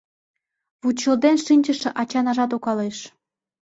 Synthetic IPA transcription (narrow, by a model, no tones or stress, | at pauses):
βut͡ɕːɤ̆ld̪enʃinʲd͡ʑə̆ʃĕʔɑt͡ɕɑnɑʒɑt̪̬okɑleʃ